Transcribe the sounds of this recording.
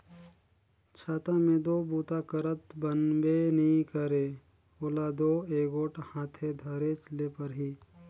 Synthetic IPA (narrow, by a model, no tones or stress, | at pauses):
t͡ʃʰaːt̪ãmẽd̪oːbuːt̪akəɾət̪bənbenɐɦĩkəɾeː | olad̪oːeːɡoːʈhãːt̪ʰed̪ʱəɾet͡ʃleːpəɾɦiː